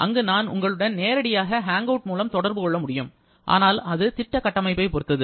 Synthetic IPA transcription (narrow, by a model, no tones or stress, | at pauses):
ʔɐ̰ŋɡɯnaːnʊ̰ŋɡɐɭɯɽɐnneːɾɐɽɪjaːɣɐɦaːŋɡɐːʈ̚muːlɐmt̪ɔɽɐɾbɯkɔɭːɐmʊɽɪjɯm | ʔa̰ːnaːlɐðɯt̪ɪʈːɐkɐʈːɐmɐɪpːɐɪpɔɾɯt̪ːɐðɯ